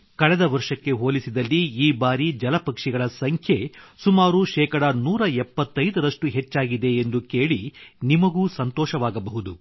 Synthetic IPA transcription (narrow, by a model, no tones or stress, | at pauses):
kɐɽɛd̪ɐʋɐɾʂɐkːe̞ɦoːlisid̪ɐlːiːbaːɾid͡ʒɐlɐpɐkʂiɡɐɭɐsɐŋkʰjesumaːɾuʃɛːkɐɽɐnuːɾɐɛpːɐt̪ːɐjd̪ɐɾɐʂʈuɦet͡ʃːaːɡid̪e̞ːnd̪uke̞ːɭinimɐɡuːsɐnt̪ɔːʃɐʋaːɡɐbɐɦud̪u